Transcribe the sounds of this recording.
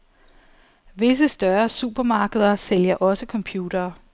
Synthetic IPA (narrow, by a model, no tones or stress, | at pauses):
ʋe̝s̬əsd̥ɶɐsub̥ɐmɑ̈ːɡ̥əð̞ˠɐseljɐʔɒ̽səkʰɒ̽mpʰjuːd̥ɐː